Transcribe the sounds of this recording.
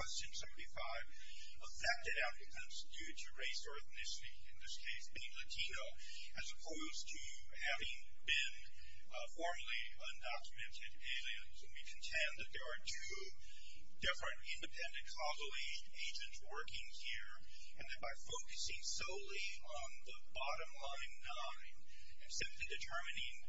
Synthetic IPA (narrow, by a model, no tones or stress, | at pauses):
w̥ɛst͡ʃɨ̃nsɛṽntifaɪv̥ | əfɛk̚tɨɾæf̚lɨkʰʌ̃mz̥dʉɾɨɹeɪsɔɹθnɪʃɾiɨ̃nðɪskʰeɪsb̥ẽɪ̃nlɨtʰĩnoʊ | ɨzəpʰoʊz̥tʰɨ | hævɪ̃ŋ | bɪ̃n | fɔɹml̩ˠi | ʌ̃ndɑkjɨmɛ̃ntʰɨɾeɪlˠiɨ̃nz̥ɨ̃nwikʰntʰɛ̃nðɨt̪̚ðə˞ːtʰʉ | d̥ɪfɹɨ̃ntɪ̃ndɨpʰɛ̃ndɨ̃nkʰɑzl̩ˠe | eɪd͡ʒɨ̃ntswɜ˞kɪ̃ŋhiɹ | ɨ̃nðɨ̃nbaɪfoʊkɨsɪ̃ŋsoʊlˠi | ə̃nðəbɑɾɨ̃mlãɪ̃nːãɪ̃n | ɨ̃nsɪ̃mplidɨtʰɜ˞mɨnɪ̃ŋ